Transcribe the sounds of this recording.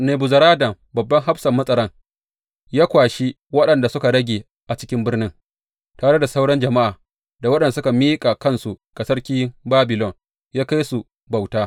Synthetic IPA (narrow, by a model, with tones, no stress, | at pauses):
neː˨bu˨zɐ˨ɾaː˦dɐ˨m | bɐ˨bːɐ˦ŋɦa˦bsɐ˨mːɐ˦sʼɐ˨ɽɐ˦ŋ | jaː˦kʷaː˨ʃi˦ | wɐ˦ɗɐ˨nda˨sʊ˦ka˨ɽɐ˦ɡʲeː˨ | ʔa˨t͡ʃɪ˦kʲɪ˦mbɪ˦rnɪ˦ŋ | taː˨ɽe˦da˨sa˦wɽɐ˦nd͡ʒɐ˨ma˦ʔaː˨ | da˨wɐ˦ɗɐ˨n˨sʊ˦ka˨miː˦kʼa˨kɐ˦nsu˨ka˨sɐ˦rkʲiː˦baː˦bɪ˨lɔ˦˨ŋ | jaː˦ka˦jsu˨ | ba˨wtaː˦